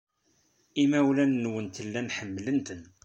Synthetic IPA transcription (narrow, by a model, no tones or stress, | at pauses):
imæwlænːwənt̪əlːænħəmːlənt̪ən